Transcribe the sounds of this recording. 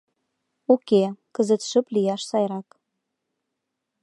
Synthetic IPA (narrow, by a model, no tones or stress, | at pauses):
okekəzə̆t̪ʃə̆plijɑʃsɑjɾɑk